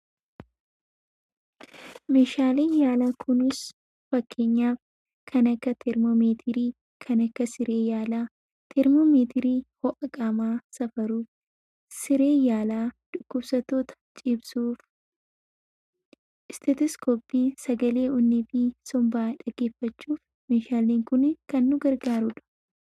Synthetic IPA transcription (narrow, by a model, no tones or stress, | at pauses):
meːʃaːleːnjaːlaːkʰʊnɪs | fɐkʰːe̞ːɲːaːf | kʰɐnɐkːɐt̪ʰɛɾmomeːt̪ʰɪɾiː | kʰɐnɐkːɐsɪɾe̞ːjaːlaː | t̪ʰɛɾmoːmeːt̪ʰɪɾiːhɔʔɐkʼɐmaːsɐfɐɾuːf | sɪɾe̞ːjaːlaːd̪̥ʊkːʊbsɐt̪o̞ːt̪ɐ̥t͡ʃʼɪbsuːf | ɪst̪ʰɛt̪ɪskoːpːiːsɐɡɐle̞ːʔʊnːɪfɪsɔmbaːᶑɐɡe̞ːfːɐt͡ʃːuːf | meːʃaːleːŋkʊnɪkɐnːʊɡɐɾɡaːɾʊᶑɐ̥